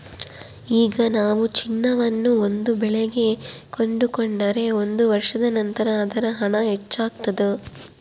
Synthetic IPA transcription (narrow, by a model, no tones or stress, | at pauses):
iːɡɐnaːʋut͡ʃinːɐʋɐnːuo̞nd̪ubɛɭeɡe̞ko̞ɳɖukoɳɖɐɾe̞o̞nd̪uʋɐɾʂɐd̪ɐnɐnt̪ɐɾɐːd̪ɐɾɐɦɐɳɐɦet͡ʃːaːɡ̚t̪ɐd̪e